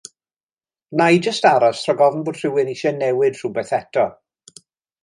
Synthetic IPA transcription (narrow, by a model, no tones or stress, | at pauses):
najd͡ʒəstaɾasʰrɔɡɔvn̩bʊːd̥r̥ɪwɪniʃɛnɛwɨd̥r̥ubɛθɛtʰɔ